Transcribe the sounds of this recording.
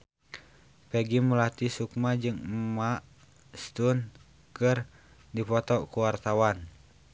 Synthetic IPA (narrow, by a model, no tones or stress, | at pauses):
pɛɡimulat̪isukmad͡ʒɨŋmaʔ | st̪un | kɨr | dipɔt̪ɔkuwart̪awan